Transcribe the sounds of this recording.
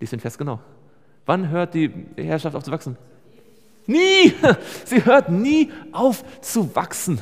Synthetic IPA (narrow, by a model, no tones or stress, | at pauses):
liːsdeːnfɛɐsɡənaʊ | v̥anɦøːɐt̚d̥iːhɛːɐʃaftʔaʊft͡suvaksn̩ | niː | z̥iːɦøːɐtniːʔaʊft͡suva̰ksn̩